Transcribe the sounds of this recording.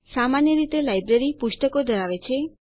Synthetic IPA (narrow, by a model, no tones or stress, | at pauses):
samanjəɾit̪elajbɾeɾipuʃʈəkod̪ʱəɾaʋet͡ʃʰe